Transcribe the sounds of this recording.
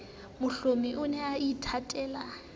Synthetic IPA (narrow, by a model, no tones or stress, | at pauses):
mʊɬomiʔʊnɛaitʰatʼɛːla